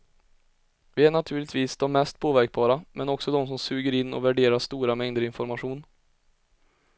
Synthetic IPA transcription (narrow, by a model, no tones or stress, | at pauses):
vɪæɳat̪ʰʉ̟ːɭɪt̪viːsd̪ɔmːɛst̪̚pʰoːvæɾk̚bɑːɾamʔɛnɔksɔd̪ɔmsɔmsʉːɡəɾɪnːɔ̰væɖeːɾaʂt̪uːɾamɛŋd̪əɾɪnfɔɾmaɧuːn